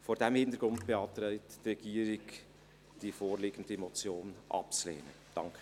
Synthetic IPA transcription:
foːɾdɛmhɪnt̪əɾɡ̥ɾʊndb̥eɑːt̪ɾɛɪttrɛɡ̥iːəɾɪɡ | d̥ifoːɾliɡ̥ən̩dəemot͡sjoːnʔɑ̰p̚t͡slḛːnə̰ | d̥ɑŋk

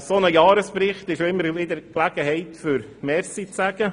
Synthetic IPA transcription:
sonəjɑːɾəspɾɪχt̪ɪʃoɪmːəɾʋɪd̪əɾklæɡ̥əɦɛɪtfʏɾ | mɛɾsit͡sæɡ̥ə

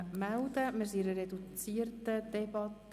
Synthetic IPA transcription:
mæld̪əmɪɾs̬iɾərɛdut͡siərtəd̥ɛbɑt

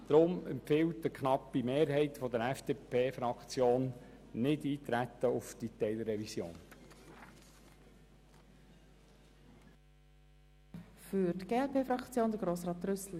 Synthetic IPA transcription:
d̪̥ɾʊmɛmpfɪwtəkχnɑpːimeːɾɦɛɪt̪fɔd̪əɾɛfd̥̪epʰeːfɾɑkχt͡sjoːnnɪdiːt̪ɾæt̪ːəʊfd̥it̪ɛɪlɾːɛvisjo̰ːn | fyɾdɡ̥eːɛlpeːfɾɑkt͡sjoːnd̪əɡɾoːsrɑːt̪rʏsl̩

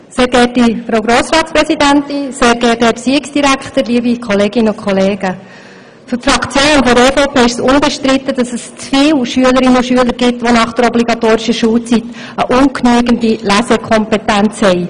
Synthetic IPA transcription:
seːɾɡɛtifɾowɡɾoːsɾɑːtspɾɛsidænt̪ɪnseːɾɡɛːtɛpsiːɪksd̥iɾækχtəɾliəbikʰɔleːɡɪnəʊkʰχɔleːɡ̥ə | fʏɾtfrɑkt͡sjoːnfɔefoʊpʰeːɪʃsʊnbɛʃtɾɪt̪ːədɑsəst͡sfɪːlʃyələɾɪnʊʃyələɾɡɪt̪ʋonɑχd̥əɾɔbliɡɑt̪oːɾɪʃəʃuːlt͡sit̪ | əʔʊnkʰnyəɡəndilæsɛkʰɔmpɛt̪ænt͡shɛɪ

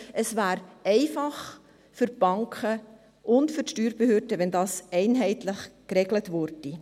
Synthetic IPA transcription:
ʔəsvæːɾɛɪfɑχ | fʏɾb̥ɑŋkχə | ʔʊndfʏɾtʃtyːɾb̥əhøːɾdəʋɛndɑːsɛɪnɦɛɪtlɪχkɾɛɡlətvʊɾd̥i

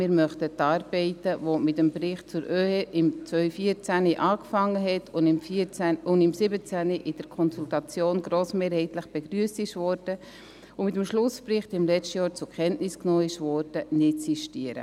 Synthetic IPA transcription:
mɪːɾmœχtətːɑːɾbɛɪtəvomɪtəmbrɪχt̚t͡sʊɾʔøːeʔɪmt͡svœʏfiːəɾt͡sæniʔɑːkfɑŋːəɦɛtʰʊnɪmfiʊndɪmsɪbət͡sæniʔɪd̥əɾkʰɔnsultɑt͡sjoːnɡɾoːsmeːɾhɛɪtləχb̥eɡ̥ryəstɪʃvɔːɾd̥ə | ʊmɪtəmʃlʊsprɪχtɪmlɛt͡ʃtəjɑːɾt͡sʊkχɛntnɪsknoːɪʃvɔɾd̥ənɪtsiʃtiəɾə̰

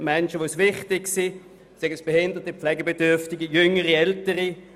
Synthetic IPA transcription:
mɛnʃəʋosvɪχtɪksi | sɛɡəsb̥ehɪndəʁtəpflɛɡəbedʏɐftɪɡəjʏŋəʁiɛltəʁi

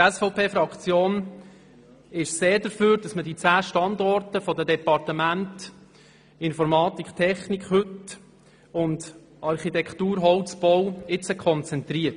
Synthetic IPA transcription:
ɛsfɔʊpʰeːfɾɑkt͡sjoːn | ɪʃseːɾdəɾføːɾd̥ɑsmədit͡sæːʃtɑndɔrtəfɔdədɛpɑrtəmænt | ɪnfɔɾmɑːt̪ikχtʰɛχnikχhɵt | ʊnd | ɑɾχitɛkχtuːɾɦɔʊt͡sb̥ɔwɪt͡səkʰχɔnt͡sɛntɾiət

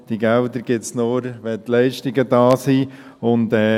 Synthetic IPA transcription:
d̥iɡɛldəɾɡ̥ɪtsnoːɾʋɛtlɛɪʃtɪɡədɑːsiːʊntɛː

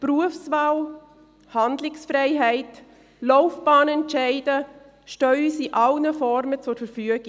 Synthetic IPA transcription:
pruəfsvaːw | handlɪksfɾɛɪɦɛɪt | lɔʊfb̥aːnɛntt͡ʃɛɪdə | ʃtœysiʔalnəfɔɾmət͡sʊɾfəɾfyəɡ̥ɪ

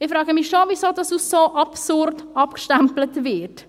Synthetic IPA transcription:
ɪfɾɑːɡəmɪxʃovisoːdɑsussoʔɑpsʊrtɑpkʃtamplətvɪt

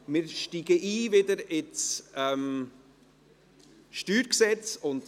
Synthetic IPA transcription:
mɪɾʃtiːɡəʔiːvɪdəɾɪsɛm | ʃtyːɾksɛt͡sʊnd

